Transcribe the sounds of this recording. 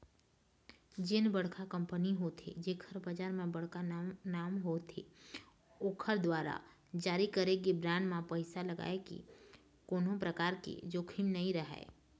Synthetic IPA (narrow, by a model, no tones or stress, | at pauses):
d͡ʒɪnbɐɽ̤kʰakɐ̃mpəniɦot̪ʰḛd͡ʒeːkʰəɾbad͡ʒaːɾmẽbɐɽkanaːmɦot̪ʰḛ | oːkʰəɾd̪waːɾa̰ | d͡ʒaːɾikəɾeɡibɾãːnmãpəɪsalɐɡa̰ːekḭ | koːnõpɾəkaːɾkḛd͡ʒoːkʰɪɳnɐɦĩɾɐɦa̰ḛː